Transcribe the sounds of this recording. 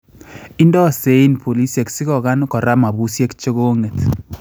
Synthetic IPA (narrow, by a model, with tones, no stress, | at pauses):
i˦ndɔ˦˨se˨˦i˦npo˨li˦sje˨ksi˦kɔ˨ka˦nkɔ˨ɾa˦ma˨bu˦sje˦kt͡ʃe˦ɣo˦ŋe˨t